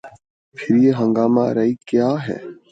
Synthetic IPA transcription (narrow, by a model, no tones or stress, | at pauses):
pʰɪɾjeːɦə̃ŋɡaːma̰ːɾɐiːkjaːɦɛ̰ː